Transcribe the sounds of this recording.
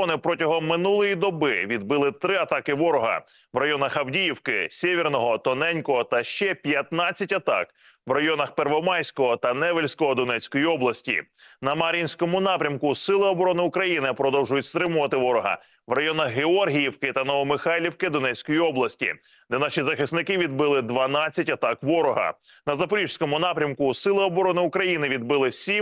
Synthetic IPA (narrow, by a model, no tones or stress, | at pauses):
nɪpɾɔtʲɐɦɔmːɪnulˠɔjid̪ɔbɪʋʲid̪bɪlˠɪt̪ɾɪɐt̪ɑkɪʋɔɾɔɦɐ̰ | ʋrɐjɔnɐxɐwdʲijiwkɪsʲeʋʲirnɔɦɔt̪ɔnɛnʲkɔɦɔt̪ɐʃt͡ʃɛpʲjɐt̪nɑt͡sʲːɐtʲɐt̪ɑ̰k | ʋrɐjɔnɐxpɛrʋɔmɑjsʲkɔɦɔt̪ɐnɛʋelʲsʲkɔɦɔd̪ɔnɛt͡sʲkɔjiɔblˠɐsʲtʲḭnɐmɐɾʲinʲsʲkɔmʊnɑpɾʲɐmkʊsɪlˠɪɔbɔɾɔnɪʊkɾɐjinɪpɾɔd̪ɔwʒʊjʊtʲst̪ɾɪmʊʋɐt̪ɪʋɔɾɔɦɐ̰ | ʋrɐjɔnɐxɦeɔrɦʲijiwkɪt̪ɐnɔʋɔmɪxɑlʲiwkɪd̪ɔnɛt͡sʲkɔjiɔblˠɐsʲtʲḭ | d̪ɛnɑʃizɐxɪsnɪkɪʋʲid̪bɪlˠɪd̪ʋɐnɑt͡sʲːɐtʲɐt̪ɑkʋɔɾɔɦɐ̰ | nɐzɐpɔɾʲiʒsʲkɔmʊnɑpɾʲɐmkʊsɪlˠɪɔbɔɾɔnɪʊkɾɐjinɪʋʲid̪̚bɪlˠɪsʲim